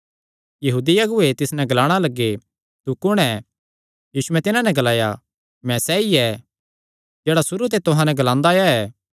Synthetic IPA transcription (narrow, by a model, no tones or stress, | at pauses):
jɐɦuːd̪iɐɡʊet̪ɪsnɛ̃ɡɐlaːɽ̃alɐɡːe | t̪ukʊɽ̃ɛ | juːsʊɛ̃t̪ɪnãnɛɡɐlaːja | mɛ̃sɛːiɛ | d͡ʒeːɽasʊɾut̪̬et̪ʊɦãnɛ̃ɡɐlãːnd̪aːjaɛː